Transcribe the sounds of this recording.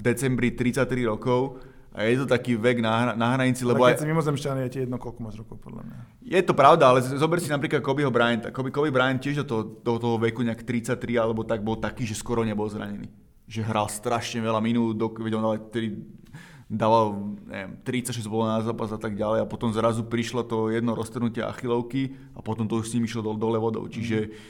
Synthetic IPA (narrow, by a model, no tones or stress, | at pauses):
vd̪ɛt͡sɛmbɾit̪ɾit͡sac̚t̪ːɾiɾɔkɔʊ | ʔa̰jɛt̪ɔt̪akiːʋɛɡnaanaɦɾaɲit͡silɛbɔɛsimimɔzɛmʃcanijɛcɛjɛd̪nɔkɔlkɔmazɾɔkɔʊpɔ̰d̪la̰mɲa̰ | jɛt̪ɔpɾaʊd̪aalɛzɔbɛɾsinapɾiːklat̪̚kɔbiɦɔbɾajɛnt̪a̰kɔbikɔbibɾajɛncɪɛʒd̪ɔt̪ɔɦɔt̪ɔɦɔt̪ɔɦɔʋɛkuɲɛakt̪ɾit͡sac̚t̪ɾialɛbɔt̪aɡ̚bɔlt̪akiːʒɛskʊɔɾɔɲɛbɔlzɾa̰ɲɛnḭː | ʒɛɦɾalst̪ɾaʃɲɛʋɛlaminuːd̪̚d̪ɔkkɛɟɔnd̪aːat̪ɾi | d̪aːʋalɲɛ̰ʋɛmt̪ɾit͡sacʃɛzbɔlɔnazaːpazat̪aɡ̚ɟalɛjapɔt̪ɔmzɾazupɾiʃlɔt̪ɔjɛd̪nɔɾɔst̪rnucɪɛa̰xilɔʊki | apɔt̪ɔmt̪ɔuʃsɲimiʃlɔd̪ɔlɛʋɔd̪ɔ̰ʊt͡ʃiʒɛ